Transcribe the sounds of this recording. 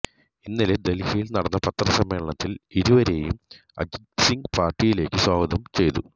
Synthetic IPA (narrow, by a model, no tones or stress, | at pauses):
inːiled̪elhijilnɐɽɐnːɐpɐt̪ːrɐsɐmːeːɭɐɳɐt̪ːiliɾuʋɐɾe̞ːjum | ɐ̰d͡ʑ | siŋɡpaːrʈːijile̞ːkːɨswaːɡɐd̪ɐmt͡ɕe̞jt̪u